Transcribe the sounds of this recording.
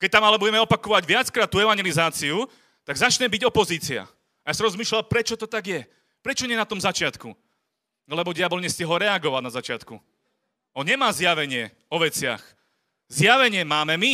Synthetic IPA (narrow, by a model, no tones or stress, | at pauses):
kɛc̚t̪amalɛbuɟɛmɛɔpakɔʋaɟʋɪat͡skɾaːt̪̚ːuːɛʋaɲɛlizaːt͡siu | t̪aɡzat͡ʃɲɛmbiɟɔpɔziːt͡sia̰ | ajaːsaɾɔzmiːʃlalpɾɛt͡ʃɔt̪ɔt̪aɡjɛ | pɾɛt͡ʃɔɲɪɛnat̪ɔmzat͡ʃɪat̪ku | lɛbɔɟɛjabɔlɲɛscɛɦɔɾɛaɡɔʋanazat͡ʃɪat̪ku | ɔɲɛmaːzjaʋɛɲɪɛ | ɔʋɛt͡sɪa̰x | zjaʋɛɲɪɛmaːmɛmi